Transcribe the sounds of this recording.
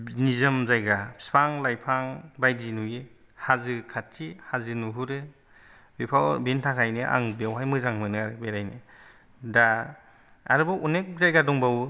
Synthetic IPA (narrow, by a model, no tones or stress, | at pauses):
nizɯmzajɡḁspʰaŋlajpʰaŋbajdinuje | hazɯkʰatʰːihazɯnuɦuɾɯ | bepʰawbentʰakʰajnɯʔa̰ŋbewɦajmɯzaŋmɯnɯaɾɯbeɾajnɯ | da | a̰ɾɯbaʔunek̚zajɡadɔŋbaw